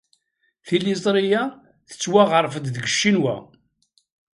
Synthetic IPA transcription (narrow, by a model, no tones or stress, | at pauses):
θilis̬ˤɾija | θə̥t͡sːwaʁəɾˤfəd̪ðɡəʃːinwæ̰